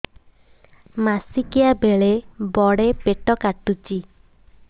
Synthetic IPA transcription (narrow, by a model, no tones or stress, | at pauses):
masikiabeɭebɔɽepeʈɔkaʈut͡ʃi